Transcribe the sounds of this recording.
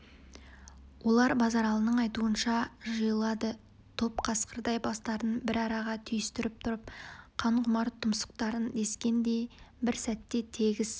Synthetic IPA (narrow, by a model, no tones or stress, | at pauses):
wʔo̞lˠɑɾbɑzɑɾɑlˠənəɴɑjt̪uənʃɑʒəjəlˠɑd̪ə | t̪ʰo̞pqʰɑsqəɾd̪ɑjbɑst̪ɑɾənbɪɾɑɾɑʁɑt̪ʰʏjʏst̪ɪɾɪp̚t̪ʰʊɾəp̚qʰɑɴqʰʊmɑɾt̪ʰʊmsə̥q̚t̪ɑɾənd̪e̞skʲe̞nd̪e̞jbɪɾsæt̪ːe̞t̪ʰe̞ɡʲɪz̥